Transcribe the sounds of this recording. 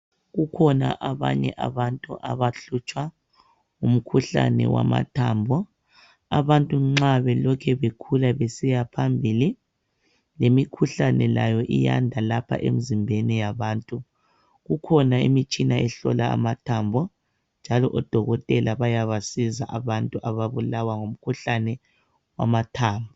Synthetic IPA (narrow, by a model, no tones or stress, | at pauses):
ɣukʰɔna̰ʔaβa̰ɲɛ̰ʔaβantʼuʔaβaɬut͡ʃʼwa | um̩kʰuɬa̰nɛ̰wa̰ma̰tʰaːmbʱɔ | a̰βantʼuŋ͡ǁaβɛlɔkʰɛβekʰulaβesijapʰambʱili | lemikʰuɬanɛlajɔʔija̰ndʱalapʰa̰ʔḛm̩zimbʱɛnijaβaːntʼu | ɣukʰɔnaimit͡ʃʼinaɛɬɔlaa̰matʰaːmbʱɔ | nd͡ʒʱalɔʔɔd̥ʱɔɣɔtʼɛlaβajaβasizaʔaβantʼuʔaβaβulawaŋum̩kʰuɬanɛ | wa̰matʰaːmbʱɔ